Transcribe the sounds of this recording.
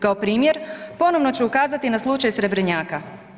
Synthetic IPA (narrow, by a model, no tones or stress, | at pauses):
kaopɾiːmjeɾpo̞no̞ʋno̞t͡ɕeukaːzat̪inaslˠut͡ʃajsɾe̞bɾeɲaːka